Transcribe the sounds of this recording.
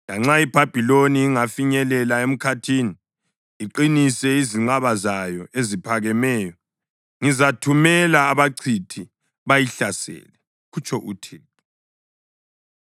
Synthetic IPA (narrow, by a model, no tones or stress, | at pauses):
laŋ͡ǁaib̥ʱab̥ʱiloniːŋafiɲɛlɛlaem̩kʰatʰiniː | ǃinisɛiziŋ͡ǀaβazajɔezipʰaɣɛmɛːjɔ | ŋizatʰumɛlaːβaǀʰitʰi | βajiɬasɛ̰ːlɛ | ɣut͡ʃʰʼɔʔutʰiː